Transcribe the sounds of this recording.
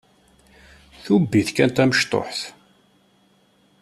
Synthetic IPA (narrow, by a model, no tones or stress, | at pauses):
θubːiθkænt̪æməʃt̪ˤo̰ħθ